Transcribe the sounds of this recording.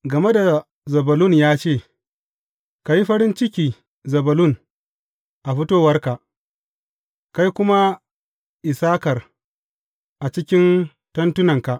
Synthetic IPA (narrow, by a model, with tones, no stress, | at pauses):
ɡɐ˨me˦da˨ | zɐ˨bɐ˨lʊ˦˨njaː˦t͡ʃeː˦˨ | ka˨ji˦ɸɐ˦ɾɪ˦nt͡ʃɪ˦kʲiː˨ | zɐ˨bɐ˨lʊ˦˨ŋ | ʔa˨ɸɪ˦toː˦wɐ˦rka˨ʔ | ka˦jkʷʊ˦ma˦ | ʔɪ˨saː˦kɐ˨r | ʔa˨t͡ʃɪ˦kʲɪ˦n | tɐ˦ntʊ˦nɐ˨ŋka˨ʔ